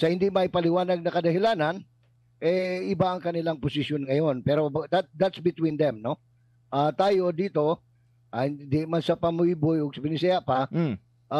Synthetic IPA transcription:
sɐhɪnd̪imɐʔɪpɐlɪwaːnɐɡ̚nɐkɐd̪ɐhɪlaːnɐn | ʔɛʔɪbaʔɐŋkɐnɪlaŋpʊsɪʃjonŋɐjo̞npɛːɾo̞bd̪at̪̚d̪at̪sbɪt̪wind̪ɛmno̞ | ʔaːt̪aːjo̞d̪iːt̪o̞ | ʔahɪnnd̪imansɐpɐmʊibʊjoɡ̚sɐbɪnɪsɐjaʔpɐ | ʔa

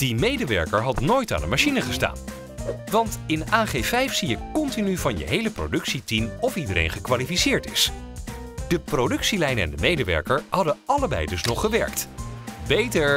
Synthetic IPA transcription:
d̥imejdəʋɛ̰ɹkəɹɦɑtnoːjta̰ːndəmaʃinəχəsta̰ːn | ʋɑntɪnaːχevɛjfsijəkɔntinyvɑnjə̰ɦejləpro̰wdɵksitimɔfidəɾḛjnχəkʋaːlifisɪːɹtɪ̰s | d̥əprowdɵksilɛjnɛ̰ndəmejdəʋɛ̰ɹkəɹɦɑdəɑləbɛ̰jdɵsnɔχːəʋɛ̰ɹk̚tbejtəɹ

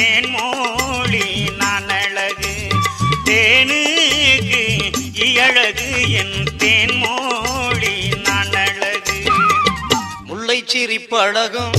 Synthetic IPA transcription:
eːnmoɭinaːnɐɭɐɣɯ | t̪eːnɯɣɯɪjɐɻɐɣɯɛnt̪eːnmoːɻinaːnɐɻɐɣɯ | mʊɭːɐɪt͡ʃːɪɾɪpːɐɻɐɣɯm

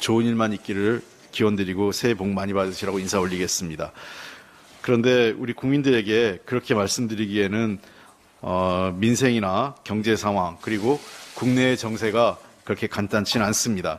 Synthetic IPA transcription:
t͡ɕoɯɲiɭmaɲik͈iɾɯɭ | kiwʌndɯɾiɡosʰe̞boŋmaɲibadɯɕʰiɾaɡoinsʰaoʎːiɡe̞s͈ɯmɲida | kɯɾʌnde̞uɾikuŋmindɯɾe̞ɡe̞kɯɾʌkʰe̞maɭs͈ɯmdɯɾiɡie̞nɯn | ʌminsʰe̞ŋinakjʌŋd͡ʑe̞sʰaŋɦwaŋkɯɾiɡokuŋne̞t͡ɕʌŋsʰe̞ɡakɯɾʌkʰe̞kant͈ant͡ɕʰinans͈ɯmɲida

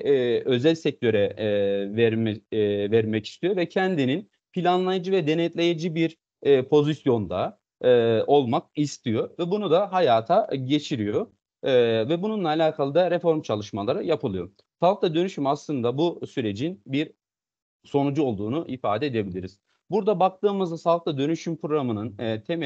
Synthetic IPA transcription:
ø̞zælʲsɛc̚t̪ʰø̞ɾɛvɛɾmɛvɛɾmɛci̥st̪ʰijo̞vɛcʰɛnd̪inin | pʰilʲanlˠajad͡ʒɯvɛd̪enɛt̪lʲe̞jed͡ʒibiɾː | pʰo̞zisjo̞nd̪a | ɯʔo̞lˠmak̚ist̪ʰijo̞vɛbunud̪aɦajaːt̪ʰaɟe̞t͡ʃʰiɾijo̞ | vɛbununlˠaːlʲaːkʰalˠɯd̪aɾefo̞ɾmt͡ʃʰalˠɯʃmalˠaɾɯjapʰɯlˠɯjo̞̰ | salˠk̚lˠad̪ø̞nyʃymaslˠɯnd̪abusyɾe̞d͡ʒinbiɾ | so̞nud͡ʒuo̞lˠd̪uːnuʔifaːd̪ed̪e̞bilʲiɾiz̥ | buɾd̪abak̚t̪ɯːmɯzd̪asalˠk̚t̪ˠad̪ø̞nyʃympɾoɾamɯnɯnːt̪ʰem

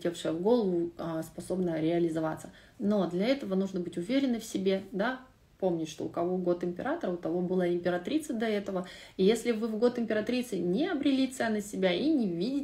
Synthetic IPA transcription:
tʲefʂɨjəvɡo̞lˠəvʊəspɐso̞bnəɾʲɪɐlʲɪzɐvat̪sə | no̞d̪lʲɐɛt̪əvənuʐnəbɨtʲʊvʲeɾʲɪnːɨfsʲɪbʲe̞d̪a | pomnʲɪtʲʂt̪o̞̰ʊkɐvoɡo̞t̪ɪmʲpʲɪ̰ɾat̪əɾəʊt̪ɐvo̞bɨlˠaɪmʲpʲɪɾɐt̪ɾʲit̪sɨd̪ʲɐɛt̪əvəjesʲlʲɪvɨvɡo̞t̪ɪmʲpʲɪɾɐt̪ɾʲit̪sɨnʲɪɐbɾʲɪlʲit̪sɛnːəsʲɪbʲainʲɪvʲidʲɪ

